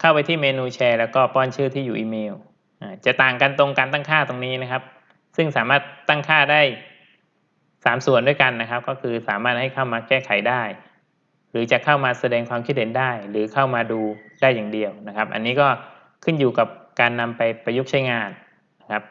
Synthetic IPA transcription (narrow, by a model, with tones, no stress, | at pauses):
kʰa˥˩wpa˧jt̪ʰiː˥˩meː˧nuː˧t͡ɕʰɛː˧lɛː˦˥wkɔː˥˩pɔː˥˩nt͡ɕʰɯː˥˩t̪ʰiː˥˩juː˨˩ʔiː˧meː˧w | ʔaː˧˩t͡ɕa˨˩ʔt̪aː˨˩ŋka˧nt̪o˧ŋkaː˧nt̪a˥˩ŋkʰaː˥˩t̪o˧ŋniː˦˥na˦˥kʰa˦˥p̚ | sɯ˥˩ŋsaː˩˦maː˥˩t̪̚ːa˥˩ŋkʰaː˥˩daː˥˩j | saː˩˦msu˨˩əndu˥˩jka˧nːa˦˥kʰa˦˥p̚kɔː˥˩kʰɯː˧saː˩˦maː˥˩t̪̚ha˥˩jkʰa˥˩wmaː˧kɛː˥˩kʰa˨˩˦jdaː˥˩j | ɾɯː˩˦t͡ɕa˨˩kʰa˥˩wmaː˧sa˧dɛː˧ŋkʰwaː˧mkʰi˦˥t̪̚he˩˦ndaː˥˩jɾɯː˩˦kʰa˥˩wmaː˧duː˧daː˥˩jːaː˨˩ŋdi˧əwna˦˥kʰa˦˥p̚ʔa̰˧nːiː˦˥kɔː˥˩ | kʰɯ˥˩njuː˨˩ka˨˩p̚kaː˧nːa˧mpa˧jpa˧ju˦˥k̚t͡ɕʰa˦˥jŋaː˧nː | a˦˥kʰa˦˥p̚